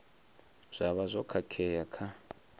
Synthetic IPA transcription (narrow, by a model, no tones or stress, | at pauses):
z̥ʷaβazʷɔkʰakʰɛjakʰa